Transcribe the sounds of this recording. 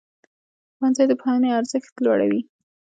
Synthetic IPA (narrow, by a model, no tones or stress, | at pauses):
xwansajd̪əpxɑəneaɾzəxt̪lwɑ̰ɽa̰wi